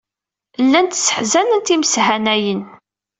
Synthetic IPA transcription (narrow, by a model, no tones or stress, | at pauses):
lːænt̪sːə̥ħzænənt̪iməshænæjən